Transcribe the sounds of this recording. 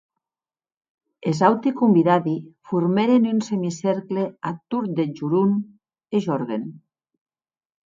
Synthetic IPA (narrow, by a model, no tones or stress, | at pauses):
ezawt̪ikumbiðaðifuɾmeɾenynsemisɛɾkleat̪uɾd̪ed͡ʒuɾun | eʒɔɾɣen